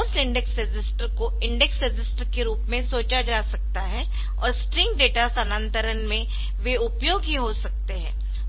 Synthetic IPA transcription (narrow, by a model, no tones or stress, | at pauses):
sɪ̃ɳɖɛksɾed͡ʒɪsʈəɾko | ɪ̃ɳɖɛksɾɪd͡ʒɪsʈəɾkeɾuːpmẽsoːt͡ʃad͡ʒaːsɐk̚t̪aɦɛ | ɔ̰ːɾsʈɾɪ̃ŋɡɖeːʈasənə̃nt̪əɾənmẽ | ʋeʊpjoːɡɦiɦosɐk̚t̪eɦɛ̃ː